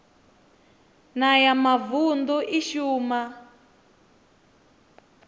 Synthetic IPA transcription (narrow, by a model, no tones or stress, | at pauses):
najamavund̪uʔiʃuːma